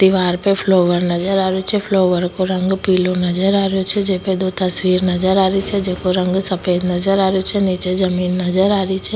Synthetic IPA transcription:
t̪ɪʋaːɾpepʰloːʋəɾnəd͡ʒəɾaːɾjot͡ʃʰɛpʰloːʋəɾkoɾə̃ŋɡpiːlonəzəɾaːɾjot͡ʃʰɛd͡ʒeːped̪oːt̪əswiːɾnəd͡ʒəɾaːɾit͡ʃʰɛd͡ʒeːkoɾə̃ŋɡsəpeːd̪nəzəɾaːɾejot͡ʃʰɛniːt͡ʃezəmiːnːəd͡ʒəɾaːɾit͡ʃʰɛ

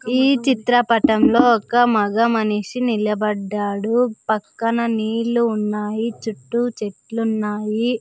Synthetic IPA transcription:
iːt͡ʃit̪ɾɐpɐʈɐmlo̞ːɔkɐmɐɡɐmɐniʂinilɐbɐɖːaːɽupɐkːɐnɐniːluːnːaːjit͡ʃuʈːut͡ʃe̞ʈlunːaːji

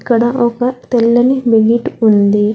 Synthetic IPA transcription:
kːɐɽɐʔɔkɐt̪ɛlːɐnibeɡiʈund̪i

